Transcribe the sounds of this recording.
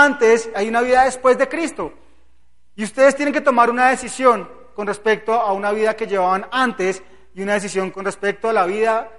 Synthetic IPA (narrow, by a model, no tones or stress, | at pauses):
ant̪e̞sajunaβiðaðe̞spwe̞zd̪e̞kɾist̪o̞ | iust̪e̞ðest̪jene̞ŋket̪omaɾunaðe̞sisjo̞ŋ | ko̞nre̞spe̞k̚t̪o̞aunaβiðake̞ʝe̞βaβanant̪e̞s | iunaðe̞s̬isjo̞ŋko̞nrespe̞k̚t̪oalaβiða